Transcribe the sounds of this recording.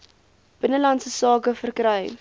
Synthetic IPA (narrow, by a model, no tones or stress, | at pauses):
b̥ənəlɐntsəsɑːkəfərkrɛj